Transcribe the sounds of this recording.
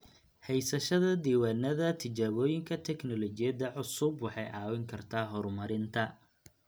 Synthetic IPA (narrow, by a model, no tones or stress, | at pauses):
hɛjsɐʃɐðɐd̪iːwaːnɐðɐt̪ʰɪt͡ʃaːβɔːjɪŋkʰɐt̪ʰɛknɔlɔt͡ʃɪjɐd̪ɐʕʊsʊbwɑħɑjʔɑːwɪŋkʰɐrt̪ʰaːɦɔrmɐɾɪnt̪ʰɐ